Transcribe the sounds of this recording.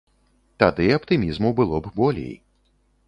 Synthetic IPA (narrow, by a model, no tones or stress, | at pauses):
t̪ad̪ɨɐpt̪ɨmʲizmubɨlˠɔbbɔlʲḛj